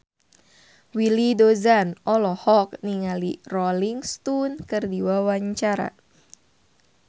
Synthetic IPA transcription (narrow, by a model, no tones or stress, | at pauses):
wilidozanɔlɔhɔk̚niŋalirɔliŋst̪unkɨrdiwawaɲt͡ʃaɾa̰